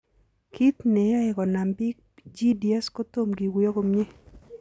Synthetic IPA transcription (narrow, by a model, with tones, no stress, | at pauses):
kʰi˦t̪ne˨ja˦ɪ˨kɔ˨na˨mbɪ˦k̚ | d͡ʒi˦di˨ɛ˦sko˦t̪o˦mɡi˨wi˦o˦ɡo˦mɲe˦